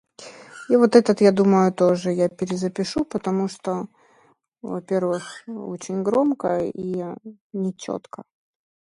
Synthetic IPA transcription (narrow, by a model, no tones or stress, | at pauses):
ivot̪ɛt̪ət̪jad̪uməjʊt̪oʐɨjapʲɪɾʲɪzəpʲɪʂupət̪ɐmuʂt̪o | vɐpʲe̞rvɨxo̰t͡ɕɪnʲɡɾo̞mkəi | nʲɪt͡ɕo̰t̪kə